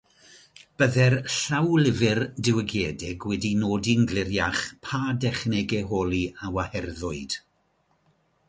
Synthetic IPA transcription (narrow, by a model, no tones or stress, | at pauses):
b̥əðɛrɬawlɪvɪrdɪwəɡjeːdɪɡwɛdinoːdinɡlɪrjaχpʰaːdɛχnɪɡɛɦoːlˠiawahɛrðʊɨd̥